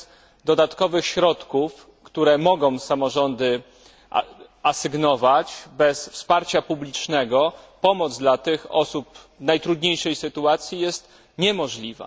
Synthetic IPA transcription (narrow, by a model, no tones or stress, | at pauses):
d̪ɔd̪at̪kɔvɘxɕɾɔt̪kuf | kt̪uɾɛmɔɡɔ̃w̃samɔʐɔnd̪ɘ | asɘɡnɔvat͡ɕbɛsfspaɾt͡ɕapublʲit͡ʂnɛɡɔpɔmɔd̪zd̪lat̪ɘxɔ̰sup | najt̪ɾud̪ɲejʂɛjsɘt̪uat̪sʲjijɛst̪ | ɲɛmɔʐlʲiva̰